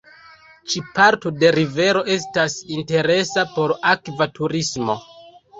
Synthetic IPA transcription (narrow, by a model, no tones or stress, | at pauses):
t͡ʃipaɾto̞de̞ɾive̞ɾo̞e̞s̬tasinte̞ɾe̞sapo̞ɾakvatuɾismo̞̰